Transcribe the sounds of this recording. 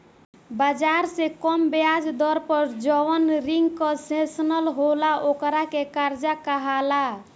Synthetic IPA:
bad͡ʒaɾsekɔmbead͡ʒd̪ɔɾpəɾd͡ʒəwənɾiŋɡkə̃sẽsnəlɦolaokɾakekaɾd͡ʒakaɦala

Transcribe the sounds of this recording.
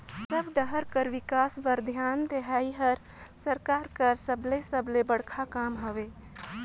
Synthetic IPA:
səbɖəɦəɾkəɾʋikasbəɾd̪ʱjand̪eɦaiɦəɾ | səɾkaːɾkəɾsəblesəblebəɽkʰakamɦəʋe

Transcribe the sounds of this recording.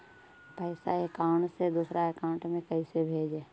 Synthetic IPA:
pəːɪsaeːkaʊɳʈsed̪uːsɾaekãːʊ̃ɳʈmẽkəisebʱeːd͡ʒeː

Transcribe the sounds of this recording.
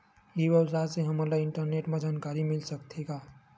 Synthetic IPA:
iʋɐwsaːseɦɐmalaɪ̃ɳʈəɾneːʈmãd͡ʒaːnkaːɾimɪlsɐkt̪ʰeːɡaː

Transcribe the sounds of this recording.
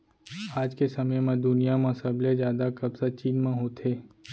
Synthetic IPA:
aːd͡ʒkesɐməjmẽd̪ʊnijamãsɐblezjaːd̪akɐbsat͡ʃiːnmẽɦoːt̪ʰeː

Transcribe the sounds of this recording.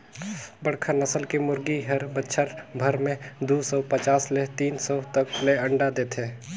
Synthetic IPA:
bəɽkʰanəsəlkemʊɾɡiɦəɾbətːʃʰəɾbʱəɾmẽd̪usɔːpət͡ʃaːslet̪iːnsɔt̪əkleəɳɖad̪eːt̪ʰeː

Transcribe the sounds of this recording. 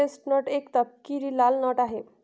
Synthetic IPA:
esʈnɔʈekt̪ʌp̚kiɾilalnɔʈaɦe

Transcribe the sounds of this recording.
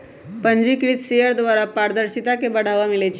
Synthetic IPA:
pəɲd͡ʑikɾiːt̪ɕejəɾd̪ʋaɾapaɾd̪əɾɕit̪akebəɽ̤aʋamilet͡ɕ

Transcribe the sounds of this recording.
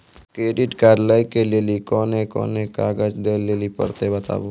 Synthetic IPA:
kɾeːɖɪʈkaːɾlaikelelikɔːnekɔ̰ːnekaːɡəd͡ʒd̪eleːlipə̰ɾt̪ebət̪a̰ːbo

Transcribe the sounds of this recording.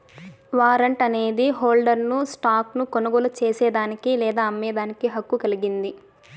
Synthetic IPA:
ʋaːɾɐɳʈɐneːd̪iɦoːlɖɐɾnusʈaːknukonɐɡɔːlɐt͡ʃeːsɛːd̪aːnikilɛːd̪aːɐmːɛːd̪aːnikiɦɐkːukɐliɡind̪i

